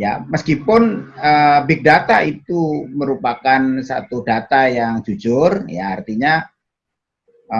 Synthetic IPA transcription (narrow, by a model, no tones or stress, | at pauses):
jaməskipʊnəbɪk̚dat̪ait̪uməɾupakansa̰t̪udat̪ajaŋd͡ʒud͡ʒʊrjaart̪iɲa | ə